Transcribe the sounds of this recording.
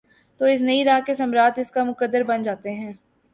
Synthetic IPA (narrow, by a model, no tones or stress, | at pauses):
t̪oːɪs̬nɐiɾaːɦkesɐmɾaːt̪ɪskamʊkəd̪ːəɾbɐnd͡ʒaːt̪eɦɛ̃ː